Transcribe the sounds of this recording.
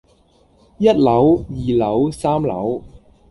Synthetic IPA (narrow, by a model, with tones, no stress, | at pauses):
jɐ˥t̚lɐ˨˥wjiː˨˩lɐ˨˥wsaː˥mlɐ̰˨˥w